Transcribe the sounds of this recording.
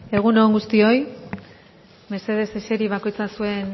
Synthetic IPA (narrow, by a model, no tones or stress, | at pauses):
e̞ɣ̞unoːŋɡust̪io̞j | me̞se̞ð̞e̞seseɾiβako̞jt͡sasue̞n